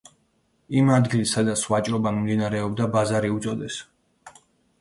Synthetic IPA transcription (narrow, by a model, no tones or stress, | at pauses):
imad̪ɡilisad̪at̪sʰwat͡ʃʼɾɔbamimd̪inaɾɛɔbd̪abazaɾiut̪sʼɔd̪ɛs